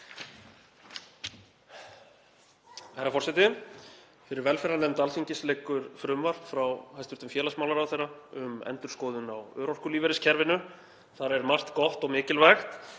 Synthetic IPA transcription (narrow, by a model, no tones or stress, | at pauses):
hajɾafɔrsɛjt̪ɪ | fɪɾɪɾvɛlfɛɾanɛmnt̪alfiɲcɪslɛːkʏɾ̥fɾʏmvar̥t̪fɾawhajst̪vʏɾt̪ʏmfjɛːlasmawlaɾawθejrːaʏmɛ̰nt̪ʏɾ̥skɔːðʏnawœːɾɔr̥kʏliːvɛɾɪscʰɛɾvɪnʏ | θaɾɛɾmar̥t̪kɔh̪t̪ɔɣmɪːcɪlvajxt̪